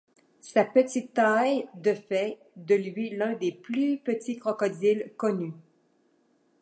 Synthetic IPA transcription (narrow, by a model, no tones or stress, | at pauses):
sapət̪it̪ːajd̪əfɛ | d̪əlɥilœ̃d̪eplypət̪ikʁɔkɔd̪ilkɔny